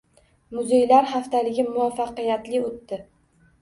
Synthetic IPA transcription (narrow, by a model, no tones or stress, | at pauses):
mʊzejlaɾχaft̪ʰalɪɡʲɪmʊafːɑqɨjat̪lɪot̪ːɪ